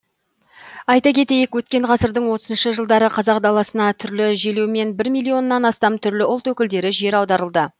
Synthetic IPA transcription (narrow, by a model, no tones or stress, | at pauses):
ɑjt̪ɑkʲʰe̞t̪e̞jekwɵt̪̚kʲe̞ɴʁɑsəɾd̪əɴwo̞t̪əzənʃəʒəlˠd̪ɑɾəqʰɑzɑq̚d̪ɑlˠɑsənɑt̪ʰʏɾlɪʒelewme̞nbɪɾmijlˠːio̞nːɑnɑst̪ɑmt̪ʰʏɾlɪʊlˠt̪wɵkʲɪld̪e̞ɾɪʒe̞ɾɑwd̪ɑɾəlˠd̪ə